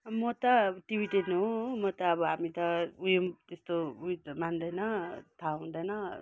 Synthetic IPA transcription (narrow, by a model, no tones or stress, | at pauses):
mʌt̪ʌʈibiʈennɦomʌt̪ʌːbʌɦamit̪ʌujomt̪est̪oujt̪mand̪ʌjnʌt̪ʰaɦũnd̪ʌjnʌ